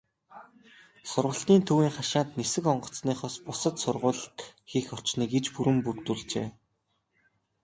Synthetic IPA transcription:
sʊrʁə̆ɬt̪iːnt̪ʰuwiːŋχaʃaːnt̪nesɘ̆kɔɴɢɞ̆t͡sniːχɔspʊsə̆t̪sʊrʁʊːɮt̪xixɔr̥t͡ɕniːket͡ɕpuɾɘ̆mpurt̪uːɮt͡ɕḛː

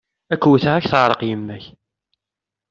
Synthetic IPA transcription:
ækːwθəʁæçθəʕɾˤəqjəmːæç

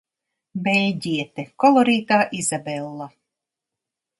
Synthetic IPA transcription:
bɛlʲd̪ʲiɛt̪ekɔlˠɔɾiːt̪aːʔizabɛlˠːa

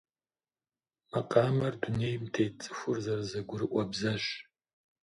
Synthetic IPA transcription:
maqʼaːmɐrdunejmtʰejt͡sʼɨxʷʊrzɐrzɐɡʷʊɾɨʔʷʼabzaʃ

